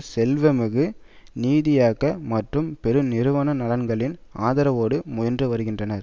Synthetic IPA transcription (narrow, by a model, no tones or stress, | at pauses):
sɛlʋɐmɯɣɯ | niːðɪjaːɣɐmɐʈrɯmpɛɾɯnɪɾɯʋɐnɐnɐlɐnɡɐɭɪnaːðɐɾɐʋoːɽɯmʊjɐndrɯʋɐɾɯɣɪndrɐnɐɾ